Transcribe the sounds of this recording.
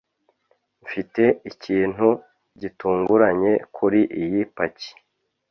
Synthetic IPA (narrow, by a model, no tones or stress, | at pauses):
ɱfite̞iciːn̥hu | ɟituːŋɡuɾaɲe̞kʰuɾiʔijipaci̥